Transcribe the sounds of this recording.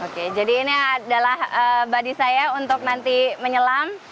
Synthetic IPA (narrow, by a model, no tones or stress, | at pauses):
oked͡ʒadiːniadalahəbadisajaunt̪ʊk̚nant̪iməɲəlam